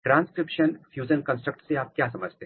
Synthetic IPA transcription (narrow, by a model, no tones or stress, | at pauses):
ʈɾãːnskɾɪpʃənfʰjuːd͡ʒənkə̃nsʈɾək̚ʈseaːp̚kjaːsɐməd͡ʒʱt̪ẽː